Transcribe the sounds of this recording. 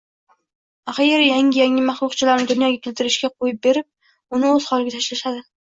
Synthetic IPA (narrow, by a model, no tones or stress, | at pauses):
aχjeɾjaŋʲɪjaŋɪmaχlˠʊqt͡ʃʰɪlaɾnɪd̪ʊnjɒɡʲakʲelt̪ʰɪɾɪʃkʲaqʰojɪp̚be̞ɾɪp̚ | ʊnɪɵz̥χɒlˠɪɡʲat̪ʰaʃlaʃad̪ɪ